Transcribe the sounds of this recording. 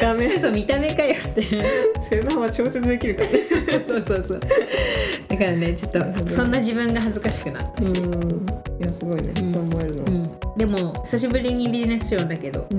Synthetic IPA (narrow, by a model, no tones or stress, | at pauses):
amesoːmʲit̪ame̞kajat̪ːesoɾenohaβat͡ɕo̞ːse̞t͡sɨd̪e̞kʲiɾɯ̟kaanesoːsoːsoːsoːso̰ː | d̪̥akaɾane̞t͡ɕo̞t̪ːo̞õ̞nːaʑibɯ̟̃ŋɡaɦazɨkaɕi̥kɯ̟na̰t̪ːaɕi | jasɨɡo̞inḛkomoeɾɯ̟no̰ɯ̟̃ɴd̪e̞mo̞çi̥saɕ̬ibɯ̟ɾʲiɲ̟ibʲizine̞sɨ̥ɕõnd̪ake̞d̪o̞̰